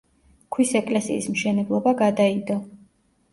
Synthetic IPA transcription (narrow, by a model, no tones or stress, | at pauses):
kʰwisɛkʼlɛsḭːsmʃɛnɛblˠɔbaɡad̪aid̪ɔ